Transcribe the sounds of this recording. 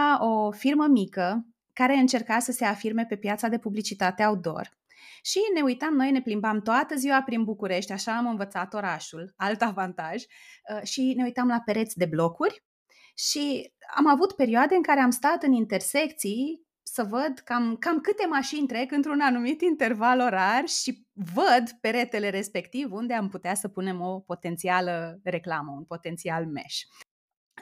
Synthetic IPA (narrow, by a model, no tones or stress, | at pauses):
ofirməmikə | kaɾe̞ɨnt͡ʃe̞rkasəse̞afirme̞pe̞pjat̪sad̪e̞publit͡ʃit̪at̪eawd̪o̞̰r | ʃine̞ujt̪amno̞jne̞plimbamt̪oat̪əziwapɾinbukuɾe̞ʃt̪ʲaʃaːmɨnvət̪sat̪o̞ɾaʃulalt̪avant̪aʒ | ʃine̞ujt̪amlape̞ɾe̞t̪sʲd̪e̞blo̞kurʲ | ʃia̰mavut̪pe̞ɾioad̪eɨŋkaɾe̞amst̪at̪ɨnint̪e̞rse̞k̚t̪si | səvəd̪kamkamkɨt̪e̞maʃinʲt̪ɾe̞kɨnt̪ɾunanumit̪int̪e̞rvalo̞ɾarʲʃi | vəd̪pe̞ɾe̞t̪e̞le̞ɾe̞spe̞kt̪ivund̪e̞amput̪easəpune̞mo̞po̞t̪e̞nt̪sialəre̞klaməunpo̞t̪e̞nt̪sialme̞̰ʃ